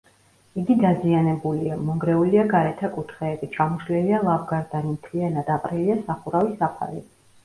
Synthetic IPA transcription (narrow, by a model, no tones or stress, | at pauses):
iɡid̪azianɛbuliamɔŋɡɾɛuliaɡaɾɛt̪ʰakʼut̪ʰχɛːbit͡ʃʰʼamuʃlɛlialˠavɡaɾd̪animt̪ʰlianad̪aqʼɾiliasaχuɾavisapʰa̰ɾḭ